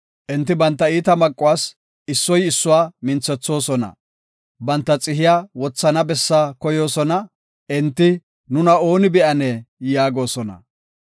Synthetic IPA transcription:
ʔɪnt̪ːɪbɐnt̪ːɐiːt̪ɐmɐkʼːʊwaːs | ɪsːɔjɪsːʊwaːmɪnt͡sːɛt͡sːo̞ːsɔnɐ̰ | bɐnt̪ːɐt͡sʼɪɦɪjaːwɔt͡sːɐnɐbɛsːaːkɔjo̞ːsɔnɐ | ʔɪnt̪ːɪ | nʊnɐo̞ːnɪbɛʔɐnɛjaːɡo̞ːsɔnɐ̰

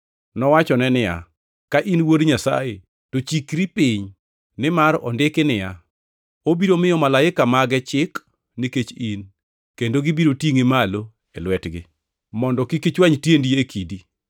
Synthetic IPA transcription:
nɔwat͡ʃɔnɛnɪja̰ | kaʔinwoɾɲasa̰je | tot͡ʃikɾipiɲ | nɪmaɾɔ̰ndɪkɪnɪja | obiɾomɪjɔmalaɪkamaɡɛt͡ʃɪk | niket͡ʃin | kendoɡibiɾotiŋemalo | ɛlwɛtɡɪ̰ | mɔndɔkikit͡ʃwaɲtjendiekʰidi

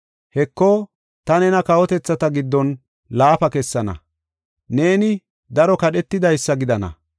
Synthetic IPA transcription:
hɛkːɔ | t̪ɐnɛnɐkɐwɔt̪ɛt͡sːɐt̪ɐɡɪd̪ːɔn | laːfɐkɛsːɐnɐ̰ | ne̞ːnɪ | d̪ɐɾɔkɐɗɛt̪ːɪd̪ɐjsːɐɡɪd̪ɐnɐ̰

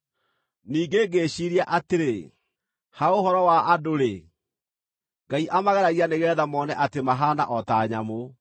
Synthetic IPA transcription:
niːɡeːɡeːɕiɾiaʔateɾe | haohɔɾɔwaːdoɾe | ŋɡaiʔamaɣɛɾaɣianeɣɛːðamɔnɛʔatemaɦana̰ʔɔtaːɲa̰mo

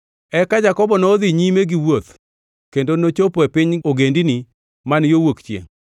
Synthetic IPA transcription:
ɛkad͡ʒakɔbɔnɔd̪iɲimeɡiwot̪ | kendonot͡ʃopɔɛpɪɲoɡendini | manjowokt͡ʃjḛŋ

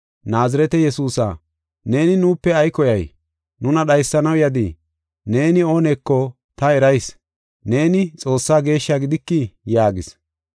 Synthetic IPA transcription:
naːzɪɾɛt̪ɛjɛsuːsa̰ː | ne̞ːnɪnuːpːɛɐjkɔjɐj | nʊnɐɗɐjsːɐnɐwjɐd̪ḭ | ne̞ːnɪo̞ːnɛkːɔ | t̪ɐɛɾɐjs | ne̞ːnɪt͡sʼo̞ːsːaːɡe̞ːʃːaːɡɪd̪ɪkːɪjaːɡɪs

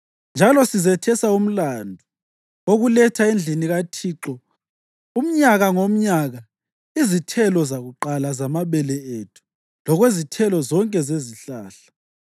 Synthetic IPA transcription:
nd͡ʒʱalɔsizɛtʰɛsaum̩landʱu | oɣulɛtʰaend͡ɮʱiniɣatʰiːǁɔ | um̩ɲaɣaŋom̩ɲaɣa | izitʰɛlɔzaɣuǃalazamaβɛlɛetʰu̥ | lɔɣwezitʰɛlɔzɔŋkʼɛzeziɬaːɬḁ

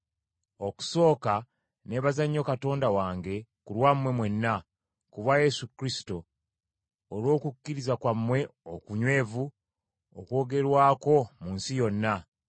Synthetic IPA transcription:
o̞ku̥so̞ːka | ne̞βazaɲːo̞kato̞ːndawaːŋɡe̞kulwamwe̞mwe̞nːa | kuβaje̞sukɾisi̥to | lwo̞ːkukʲːiɾizakwamːwe̞okuɲwe̞ːvu | okwo̞ːɡe̞ɾwaːko̞munsijo̞nːa

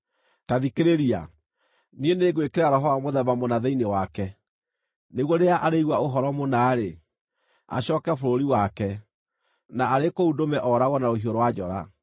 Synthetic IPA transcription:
taðikeɾeɾia̰ | nieneːɡwekeɾaɾɔɦɔwamoðɛβamonaðɛinewakɛ | neɣwɔɾeaʔaɾeiɣwaoɦɔɾɔmonaːɾe | a̰ɕɔːkɛfoɾoɾiwakɛ | naːɾekoudomɛʔɔɾaɣɔnaɾohioɾowad͡ʒɔɾa

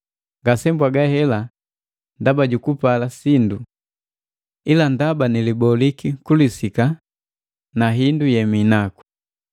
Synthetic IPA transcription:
ŋɡasɛmbwaɡahɛla | ndabaɟukupalasindu | ilandabanilibɔlikikulisika | naɦindujɛminaku̥

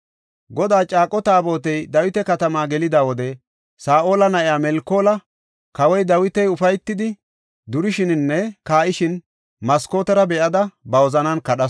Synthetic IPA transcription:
ɡɔd̪aːt͡ʃʼaːkʼɔt̪aːbo̞ːt̪ɛjd̪ɐwɪt̪ɛkɐt̪ɐmaːɡɛlɪd̪aːwɔd̪ɛ | saːʔo̞ːlɐnɐʔɪjaːmɛlkːo̞ːlɐ | kɐwɔjd̪ɐwɪt̪ɛjʊfɐjt̪ːɪd̪ɪ | d̪ʊɾɪʃɪnnːɛkaːʔɪʃɪn | mɐsko̞ːt̪ɛɾɐbɛʔɐd̪ɐbɐwɔzɐnɐnkɐɗɐs

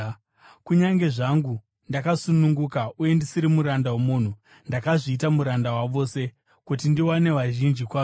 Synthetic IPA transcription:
kuɲaŋɡe̞ʐaŋɡu | ndakasunuŋɡukauje̞ndisiɾimuɾandawomuːn̤u | ndakaʐiːtamuɾandawaʋo̞ːse̞ | kut̬indiwane̞ʋaʒind͡ʒikwaː

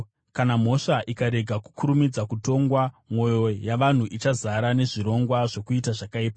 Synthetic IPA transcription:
kanam̤o̞ʂaʔikaɾe̞ɡʱaku̥kʰuɾumid͡zakuto̞ŋɡwa | mo̞jo̞jaʋan̤uʔit͡ʃazaɾane̞ʐiɾo̞ŋɡwaʐokuitaʐakaiːpa

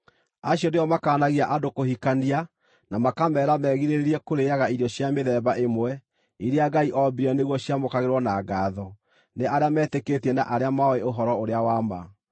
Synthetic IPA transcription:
aɕjɔneɔmakaːnaɣiaʔadokohikania | namakamɛːɾamɛːɣiɾeɾeɾiɛkoɾeaɣaiɾjɔɕjameðɛβaʔemwɛ | iɾeaɡaiʔɔbiɾɛneɣwɔɕjamokaɣeɾwɔnaɡaːðɔ | neʔaɾeamɛːteketiɛna̰ʔaɾeamaɔeoɦɔɾɔoɾeawama̰

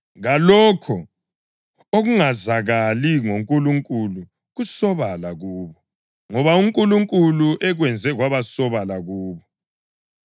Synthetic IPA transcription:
ɣalɔkʰɔ | oɣuŋazaɣaliŋoŋkʼuluŋkʼulu | ɣusɔβalaɣuːβɔ | ŋɔβauŋkʼuluŋkʼuluʔɛɣwɛnd͡zʱɛɣwaβasɔβalaɣuːβɔ

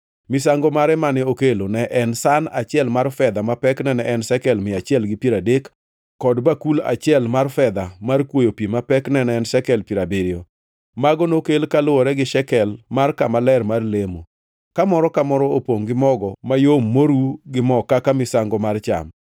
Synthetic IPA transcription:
mɪsaŋɡɔmaɾɛmanɪokelonɛʔɛnsanat͡ʃɪɛlmarfɛd̪amapɛknɛnɛʔɛnsɛkɛlmɪat͡ʃɪɛlɡɪpiɾadekː | ɔdbakula̰t͡ʃɪɛlmarfɛd̪amarkwojopimapɛknɛnɛɛnʃɛkɛlpiɾabɪɾɪo | maɡɔnokelkalʊwɔɾɛɡɪʃɛkɛlmarkamalɛrmarlemo | kamɔɾɔkamɔɾɔopoŋɡɪmɔɡɔmajomːoɾuɡɪmɔkakamɪsaŋɡɔmart͡ʃa̰m

